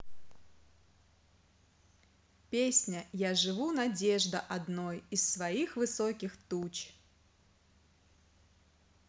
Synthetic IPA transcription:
pʲesʲnʲɐjaʐɨvunad͡zʲɛʐd̪ɐʔad̪nɔjissvaixvɨsɔkʲixt̪ut͡ɕ

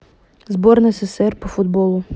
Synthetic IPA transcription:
zbɔrnɪsɛsɛrpɔfʊd̪bɔlˠʊ

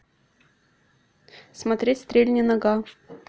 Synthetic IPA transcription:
smɐt̪ɾʲetʲst̪ɾʲelʲnʲɪnɐɡa

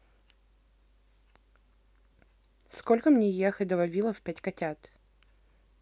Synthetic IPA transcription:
skolʲkəmnʲejexəd̪əvɐvʲilˠəfpʲætʲkɐtʲat̪

